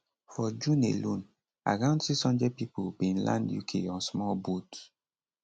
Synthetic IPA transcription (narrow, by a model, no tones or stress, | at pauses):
fɔd͡ʒũnḛlũn | a̰kãʊ̃nsisɔ̃nd͡ʒɛpipobĩnlã̰ndjṵkʰḛɔ̃nsmɔlbot